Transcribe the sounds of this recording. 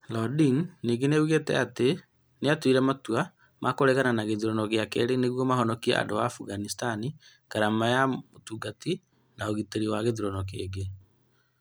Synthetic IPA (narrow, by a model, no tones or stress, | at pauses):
lɔdiŋniːɡeneuɣetɛ̰ate | neatwiɾɛmatua | mʔakoɾɛɣananaɣeðiɾɔnɔɣeakɛ̰ɾeneɣwɔmaɦɔnɔkiɛ̰ʔa̰ndoa̰ːfuɣanistani | kaɾamajamotuɡati | naoɣiteɾiwaɣeðiɾɔnɔk̬eːɡe